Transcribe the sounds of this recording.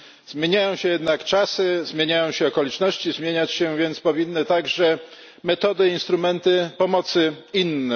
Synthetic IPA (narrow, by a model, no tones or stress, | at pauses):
zmʲjeɲajɔ̃w̃ɕɛjɛd̪nakt͡ʂasɘzmʲjeɲajɔ̃w̃ɕɛɔkɔlʲit͡ʂnɔɕt͡ɕizmʲjeɲat͡ɕɕɛvʲjɛnt̪spɔvʲinːɘt̪aɡʐɛ | mɛt̪ɔd̪ɘinst̪ɾumɛnt̪ɘpɔmɔt̪sɘinːɛ